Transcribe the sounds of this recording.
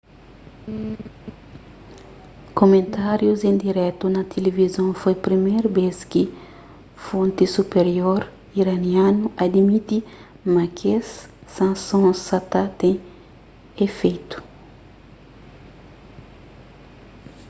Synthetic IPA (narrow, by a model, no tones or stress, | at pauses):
komẽnt̪aɾjuzẽnd̪iɾɛt̪unɐt̪ʰelevizõfojpɾimejɾbeskɪ | fõnt̪isupeɾjoɾ | iɾɐniãnuʔɐd̪imit̪i | makesːãnsõsat̪at̪ẽ | efejt̪u̥